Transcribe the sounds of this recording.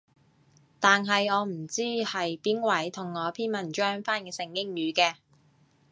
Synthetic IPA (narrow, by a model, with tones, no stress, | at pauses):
t̪aː˨nɦɐ˨jɔː˨˧m̩˨˩t͡siː˥hɐ˨jpiː˥nwɐ˨˩jt̪ʰʊ˨˩ŋːɔː˨˧pʰiː˥nmɐ˨˩nt͡ʃœː˥ŋfaː˥nkɛː˧sɪ˨˩ŋkɪ˥ŋjyː˨˧kɛː˧